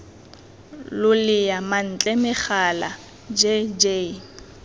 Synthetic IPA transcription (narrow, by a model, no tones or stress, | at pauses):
lʊlɪjaman̩t͡ɬʼɛmɪχala̰ | d͡ʒed͡ʒe